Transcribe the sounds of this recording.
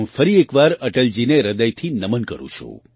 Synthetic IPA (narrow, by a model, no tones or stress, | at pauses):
ũfəɾiekʋaɾəʈəld͡ʒineɾəd̪əjt̪ʰinəmənkə̰ɾṵ̃t͡ʃʰṵ̃